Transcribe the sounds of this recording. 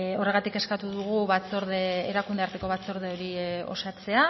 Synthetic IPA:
o̞re̞ɣ̞at̪ike̞skat̪uðuɣuβat͡so̞ɾðeeɾakund̪e̞aɾt̪e̞ko̞βat͡so̞ɾð̞e̞o̞ɾio̞̰sat͡se̞a

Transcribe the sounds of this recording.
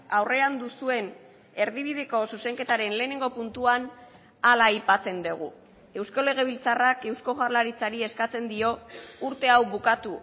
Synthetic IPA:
awre̞and̪usue̞n | e̞ɾð̞iβ̞ið̞e̞ko̞suse̞ŋke̞t̪aɾe̞nle̞ːne̞ŋɡo̞punt̪uan | alajpat͡se̞nd̪uɣ̞ṵ | e̞wsko̞le̞ɣ̞e̞β̞ilt͡sarake̞wsko̞ɣarlaɾit͡saɾie̞skat͡se̞nd̪io̞uɾt̪e̞awβukat̪u

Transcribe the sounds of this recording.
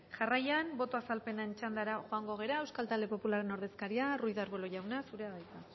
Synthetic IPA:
ʝarajanbo̞t̪oasalpe̞naent͡ʃand̪aɾaʝo̞aŋɡo̞ɣ̞e̞ɾae̞wskalt̪ald̪e̞po̞pulaɾe̞no̞ɾð̞e̞skaɾiarujðaɾβelo̞ʝawnasuɾe̞aðajt̪a

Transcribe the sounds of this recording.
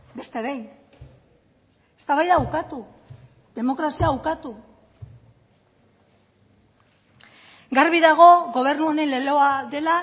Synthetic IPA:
be̞st̪e̞ɾej | est̪aβajðaukat̪u | ðe̞mo̞kɾasiawkat̪u | ɡaɾβiðaɣ̞o̞ɣo̞β̞e̞ɾnuo̞ne̞nle̞lo̞aðe̞la

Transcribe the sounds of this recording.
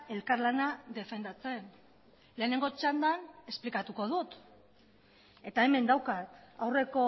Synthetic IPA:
e̞lkarlanaðe̞fe̞nd̪at͡se̞n | le̞ːne̞ŋɡo̞t͡ʃand̪ane̞splikat̪uko̞ð̞ut̪ | e̞t̪ae̞me̞nd̪awkat̪awre̞ko̞

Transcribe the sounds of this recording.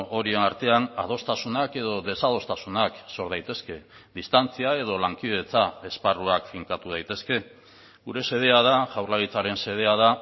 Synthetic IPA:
o̞ɾie̞naɾt̪e̞anað̞o̞st̪asunake̞ð̞o̞ðe̞sað̞o̞st̪asunakso̞ɾð̞ajt̪e̞ske̞ | ðist̪ant͡siae̞ð̞o̞laŋkið̞e̞t͡sae̞sparuakfiŋkat̪uð̞ajt̪e̞ske̞ | ɣuɾe̞se̞ð̞e̞að̞aʝawrlaɣit͡saɾe̞nse̞ð̞e̞að̞a

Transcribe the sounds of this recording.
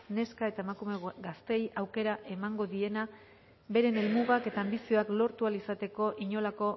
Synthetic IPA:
ne̞skae̞t̪aemakume̞ɡast̪e̞jawke̞ɾaʔe̞maŋɡo̞ðie̞na | βe̞ɾe̞ne̞lmuɣake̞t̪aːmbisio̞aklo̞ɾt̪ualisat̪e̞ko̞ʔiɲo̞lako̞

